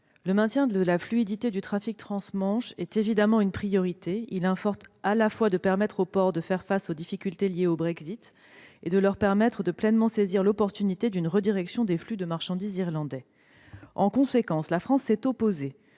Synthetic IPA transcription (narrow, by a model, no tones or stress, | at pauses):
ləmɛ̃t̪jɛ̃d̪əlaflyid̪it̪ed̪yt̪χafik̚t̪χɑ̃smɑ̃ʃɛt̪evid̪amɑ̃ynpχijɔʁit̪eilɛ̃fɔʁt̪alafwad̪əpɛʁmɛt̪χopɔʁd̪əfɛʁfasod̪ifikʲylt̪eljeobʁɛɡzit̪ | ed̪əlœʁpɛʁmɛt̪χəd̪əplɛnmɑ̃seziʁlɔpɔʁt̪ynit̪ed̪ynʁəd̪iʁɛksjɔ̃d̪eflyd̪əmaʁʃɑ̃d̪iziʁlɑ̃d̪ɛ | ɑ̃kɔ̃sekɑ̃slafχɑ̃sːɛt̪ɔpoze